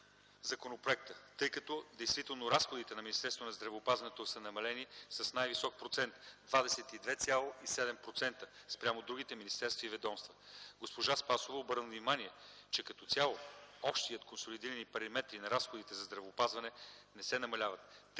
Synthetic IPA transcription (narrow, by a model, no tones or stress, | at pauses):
zɐkonopɾoɛk̚t̪ət̪ɤjkɐt̪ɔd̪ɛjst̪vit̪ɛlˠnoɾasxod̪it̪ɛnɐminist̪ɛɾst̪vonɐzd̪ɾɐvːpazvɐnɛt̪osənɐmɐlɛnisɐsnajvisɔk̚pɾot̪sɛnt̪d̪vad̪ɛsɛt̪id̪vɛt̪sʲalˠoisɛd̪ɛmpɾot̪sɛnt̪əspɾʲamod̪ɾuɡ̟it̪ɛminist̪ɛɾst̪vɐivɛd̪ɔmst̪vəɡospoʒaspasovəobɤɾnəvnimaniɛt͡ʃɛkɐt̪ɔt̪sʲalˠoɔpʃt̪iət̪konsolid̪iɾənipɐɾimɛt̪ɾinɐɾasxod̪it̪ɛzɐzd̪ɾɐvoːpazvɐnɛnɛsɛnɐmɐlʲavɐt̪